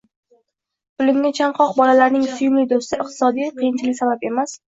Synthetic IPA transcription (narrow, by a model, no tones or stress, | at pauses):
pʰʊlɪmɡʲat͡ʃʰaɴqʰɒqbɒlalaɾnɪŋsʊjʊmlɪd̪ost̪ɪʔɨq̚t̪ʰɪ̥sɒd̪ijqʰɨjɪnt͡ʃʰɪlɪkʲsabape̞mas